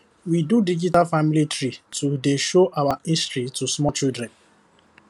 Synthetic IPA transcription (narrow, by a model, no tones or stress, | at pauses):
widudid͡ʒitalfamilitɾitudeʃoʔawaistɹitusmɔt͡ʃildɾɛ̃n